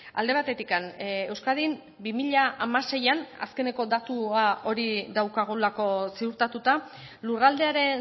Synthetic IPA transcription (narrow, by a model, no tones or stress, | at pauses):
a̰ld̪e̞βat̪e̞t̪ikane̞wskað̞im | bimiʎaamase̞jana̰ske̞ne̞ko̞d̪at̪uao̞ɾiðawkaɣ̞olako̞siuɾt̪at̪ut̪a | lurald̪e̞aɾe̞